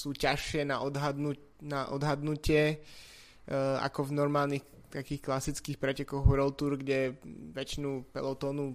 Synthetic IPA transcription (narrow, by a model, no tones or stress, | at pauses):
suːcaʃɪɛnaʔɔd̪ɦad̪nu | naʔɔ̰d̪ɦad̪nucɪɛ | a̰kɔvnɔɾmaːlnix | t̪akiːxklasit͡skiːxpɾɛcɛkɔɣɾɔlt̪uɾɡɟɛʋɛt͡ʃinupɛ̰lɔt̪ɔːnu